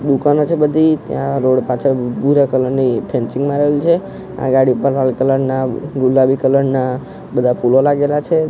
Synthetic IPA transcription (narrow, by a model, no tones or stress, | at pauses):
d̪ukanot͡ʃʰebəd̪ʱit̪jãɾoɽpãt͡ʃʰəɾbuɾakələɾnipʰẽnt͡ʃĩŋɡmãɾəɦelit͡ʃʰe | ã̰ɡaɽipəɾlalkələɽnaɡulːabikələɽna | bəd̪ʱapulolaɡelat͡ʃʰe